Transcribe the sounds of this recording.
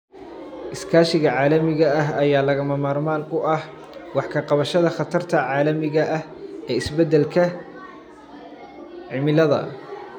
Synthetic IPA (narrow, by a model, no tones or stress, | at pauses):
ʔɪskʰaːʃɪɣɐʕaːlɐmɪɣɐɐɦɐjaːlɐɣɐmɐmaːrmaːnʊʔɐh | wɑħkʰɐqɑβɐʃɐðɐχɑt̪ʰɐrt̪ʰɐʕɑːlɐmɪɣɐʔɐh | ɛːɪsbɛd̪ːɛlkʰɐ | ʕɪmɪlɐðɐ̰